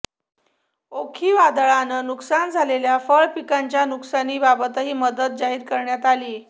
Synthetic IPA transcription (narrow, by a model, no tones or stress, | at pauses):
okʰiːʋad̪əɭanənuksand͡zʱaleljafəɭpikaɲt͡ɕjanuksaniːbabət̪əɦiːməd̪ət̪̚d͡ʑaɦiːɾkəɾɳjat̪aliː